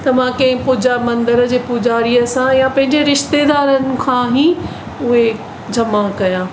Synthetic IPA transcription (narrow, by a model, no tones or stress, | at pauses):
t̪ɐʋ̤ãkɐ̃ɦɪ̃pʊd͡ʑaːmɐ̃nd̪əɾəd͡ʑeːpʊd͡ʑaːɾiəsãjãpɐ̃ɦɪ̃ɲd͡ʑeɾɪʃt̪ed̪aːɾənɪ̆kʰãːɦiː | ʊɦe | d͡ʑʱɐmakɐjãː